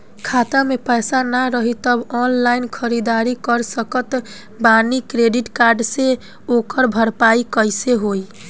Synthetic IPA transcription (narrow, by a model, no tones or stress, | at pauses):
kʰat̪amepəjsanaɾəɦit̪əbɔnlainkʰəɾid̪aɾikəɾsəkət̪ | banikɾeɖiʈkaɾɖse | okəɾbʱəɾpaikəjseɦoj